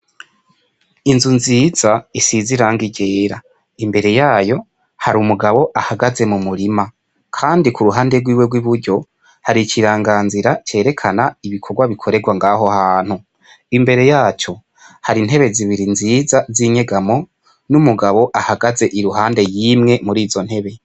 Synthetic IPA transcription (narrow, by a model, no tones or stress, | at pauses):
inzunziːz̥aisiziɾaŋɡiɟe̞ːɾa | imbe̞ɾe̞jaːjo̞ | haɾumuɡaβo̞ʔahaɡaze̞mumuɾima | kʰaːndikuɾuɦaːnde̞ɡwiːwe̞ɡwiβuɾɟo̞ | haɾiciɾaːŋɡaːnziɾat͡ʃe̞ːɾe̞kʰanaiβikʰo̞ɡwaβikʰo̞ɾe̞ɡwaŋɡaho̞haːn̥hu | imbe̞ɾe̞jaːt͡ʃo̞ | haɾin̥he̞βe̞ziβiɾinziːzaziɲe̞ɡamo̞ | numuɡaβo̞ʔahaɡaze̞ʔiɾuɦaːnde̞jimŋe̞muɾiːzo̞n̥he̞βe